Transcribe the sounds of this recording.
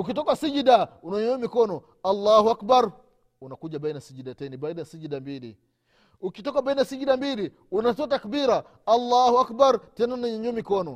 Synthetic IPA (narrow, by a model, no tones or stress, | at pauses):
ukitɔkasid͡ʒidaunaɲumikɔnɔ | alːahuakbaɾ | unakud͡ʒabajnasid͡ʒidatanibainasid͡ʒidambilḭ | ukitɔkabajnasid͡ʒidambili | unat̬ɔtakbiɾa | alːahuakbaɾtɛnanaɲɔɲɔmikɔnɔ